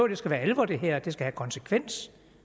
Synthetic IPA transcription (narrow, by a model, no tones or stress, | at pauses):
ʊd̥e̝sɡ̥æʋæːɐelʋɒd̥iɦeɐ̰d̥e̝sɡ̥æhækʰɒ̽nsəkʰʋen̰s